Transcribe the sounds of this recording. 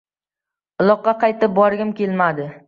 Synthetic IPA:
ʊlˠɒqːɑqʰɑjt̪ɪp̚bɒɾɡʲɪmkʲelmad̪ɪ

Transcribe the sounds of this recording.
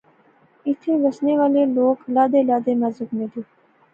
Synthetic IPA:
ɪt̪ʰẽːɾəsneːʋaːleːloːklaːd̪eːlaːd̪eːmãːzʊkmẽːd̪eː

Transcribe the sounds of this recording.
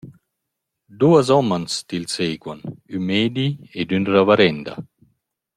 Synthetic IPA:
d̪uːazɔmanst̪ilseːɡwanymeːd̪ied̪ynravaɾɛnd̪a̰

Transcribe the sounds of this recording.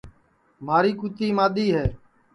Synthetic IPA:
maːɾiːkut̪iːmaːɗ̪iːɦɛː

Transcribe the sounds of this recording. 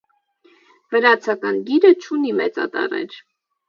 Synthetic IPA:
vəɾɑt͡sʰɑkɑnɡiɾət͡ʃʰunimɛt͡sɑ̰t̪ɑ̰rɛ̰ɾ

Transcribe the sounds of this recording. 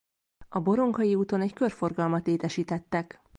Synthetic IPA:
ɒbo̞ɾo̞ŋkɒjiuːt̪o̞nɛckørfo̞rɡɒlmɒt̪leːt̪ɛʃiːt̪ɛt̪ːɛk

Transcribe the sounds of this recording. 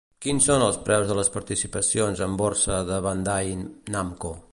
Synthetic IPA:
kinsonəlˠspɾɛwzðələspəɾt̪isipəsionzəmborsəðəβand̪ajnamko

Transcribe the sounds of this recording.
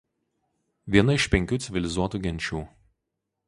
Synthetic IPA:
ʋʲiɛnɐɪʃpʲɛŋʲkʲuːsʲɪʋʲɪlʲɪzuɔt̪uːɡʲɛnʲt͡ʃʲuː

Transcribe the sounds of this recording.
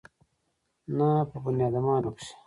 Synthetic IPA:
napɐbunjaːd̪ɐmãːɾokse̥

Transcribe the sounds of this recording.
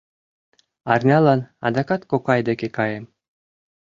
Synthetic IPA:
ɑrnʲɑlˠɑnɑ̰d̪ɑkɑt̪kokɑjd̪ekekɑjĕm

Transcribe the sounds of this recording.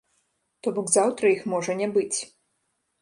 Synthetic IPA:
t̪ɔbɔɡzawt̪ɾɐjixmɔʐɐnʲɛbɨt͡sʲ

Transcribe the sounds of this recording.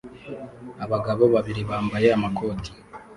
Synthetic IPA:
aβaɡaβo̞βaβiɾiβaːmbaje̞amako̞ːti̥

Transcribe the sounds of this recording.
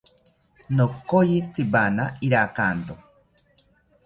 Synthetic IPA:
nokojit͡sibanaiɾakaːnt̪o

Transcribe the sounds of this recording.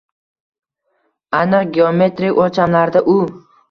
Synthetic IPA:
anɨqɡʲeome̞t̪ɾikot͡ʃʰamlaɾd̪aʔʊ

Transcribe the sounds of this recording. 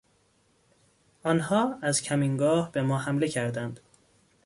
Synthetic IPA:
ʔɒːnhɒːæzcʲʰæmiŋɡɒːhbe̞mɒːhæmle̞cʰæɾd̪ænd̪̥

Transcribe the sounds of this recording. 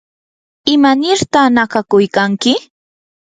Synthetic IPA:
ɪmanɪɾt̪anakakʊjkaŋkɪ

